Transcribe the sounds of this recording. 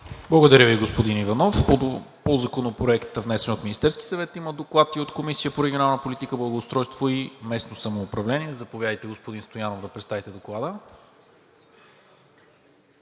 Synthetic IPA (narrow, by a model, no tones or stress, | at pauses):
blˠɐɡod̪ɐɾʲəviɡospod̪inivɐnɔf | pozɐkonopɾoɛkt̪vnɛsɛnot̪minist̪ɛɾskʲi̥sɐvɛt̪iməd̪oklˠat̪iot̪komisijəpoɾɛɡʲionalˠnəpolit̪ikəblˠɐɡoːst̪ɾɔjst̪voimɛsnosɐmoːpɾɐvlɛniɛzɐpovjad̪əjt̪ɛɡospod̪inst̪ojanovd̪ɐpɾɛt̪st̪avit̪ɛd̪oklˠad̪ə